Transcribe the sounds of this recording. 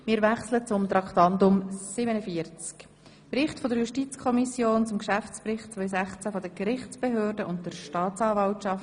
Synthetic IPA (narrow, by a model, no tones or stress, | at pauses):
mɪːɾʋæχslət͡sʊmt̪ɾɑktɑndʊmsɪbənəfiəɾt͡sk | pɾɪχtfɔdəɾjuʃtit͡skʰɔmisjoːnt͡sʊmkʃæft͡sprɪχtt͡sʋœʏs̬æχt͡sæfɔd̪əkɾɪχt͡sb̥eɦøːɾdəʔʊnt̚d̥əɾʃtɑːt͡sɑːvɑwtʃɑf